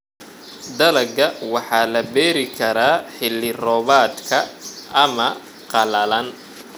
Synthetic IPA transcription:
d̪ɐlɐɡɐwɑħɑːlɐbɛːɾɪkʰɐɾaːħɪlːɪrɔːβaːd̪kʰɐɐmɐ | qɑlɐlɐn

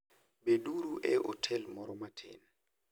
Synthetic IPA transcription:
beduɾuʔɛʔo̰tʰɛlmɔɾɔmatʰḛːn̩

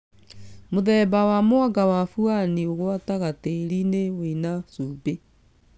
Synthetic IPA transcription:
moðɛːbawamoaɡawafuanioɣwataɣateɾinewenasube

